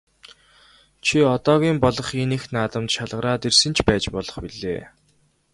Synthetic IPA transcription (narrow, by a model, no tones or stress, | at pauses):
t͡ɕʰiɔt̪ɔːɣʲiːmpɔɮɞ̆χenĕxnaːt̪ə̆mt̪ʃaɮʁə̆ɾaːt̪ersɘ̆nt͡ɕʰpæːt͡ɕpɔɮɞ̆χpiɮḛː